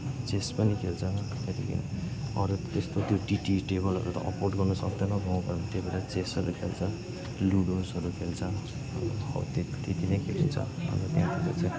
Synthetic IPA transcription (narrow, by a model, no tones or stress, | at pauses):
t͡sespʌnikʰelt͡sʰʌ | et̪ḭkḭnʌɾut̪est̪ot̪joʈiʈiʈebʌlɦʌ̰ɾut̪ʌ̰ʔʌporʈɡʌrnʌsʌk̚d̪ʌnʌɡãw̃bʱʌjot̪jebeɾat͡sesʌɾukʰelt͡sʰʌ | luɽosɦʌɾukʰelt͡sʰʌ | hʌ̰wt̪ekt̪it̪inʌjkʰelint͡sʰʌ̰ʌ̰nit̪jãt̪ik̪et͡sʰaj